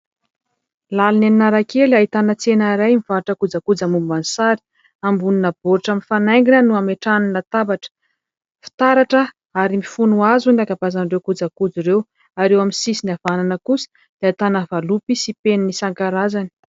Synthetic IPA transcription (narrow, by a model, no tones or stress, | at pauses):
laluneninaɾakelait̪anət͡senaɾajmiv̥aɾʈ͡ʂəkud͡zakud͡zamubansaɾi̥ | ambuninab̥oɾiʈ͡ʂaminfanajŋɡinənuameʈ͡ʂaninat̪abaʈ͡ʂə̥ | fi̥t̪aɾaʈ͡ʂə | aɾimifunuazunakabazanrewkud͡zakud͡ziɾew | aɾewaminsisiniavananəkusi̥ | d̪̥eait̪anəvalupisipennisaŋkaɾazani̥